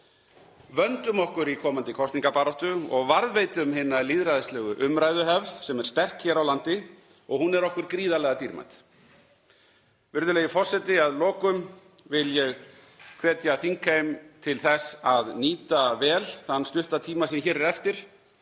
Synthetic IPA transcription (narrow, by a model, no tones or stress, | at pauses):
vœnt̪ʏmɔhkʏɾikʰɔːmant̪ɪkʰɔst̪niŋkapaːɾɔht̪ʏɔɣvaɾðvejt̪ʏmɦɪnːaliðɾajðɪslɛːɣʏʔʏmɾaːjðʏɦɛvðsɛmɛɾst̪ɛr̥kçɛːɾawlant̪ɪ | ɔɣhɦunːɛɾɔhkʏɾkɾiːðalɛɣat̪iɾma̰t̪ | vɪɾðʏlejɪfɔr̥sɛt̪ɪaðlɔːkʏm | vɪljɛɣ | kʰvɛːt̪jaθiŋkaemt̪ʰɪlθɛsaðniːt̪avɛːlθanːst̪ʏht̪at̪ʰiːmasɛmçɛːɾɛɾɛft̪ɪɾ̥